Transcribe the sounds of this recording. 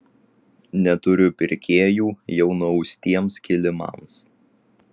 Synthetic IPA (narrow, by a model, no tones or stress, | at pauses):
nʲɛt̪ʊɾʲʊpʲɪɾʲkʲeːjuːjɛʊnʊsʲt̪ʲiɛmskʲɪlʲɪmɐ̰ˑms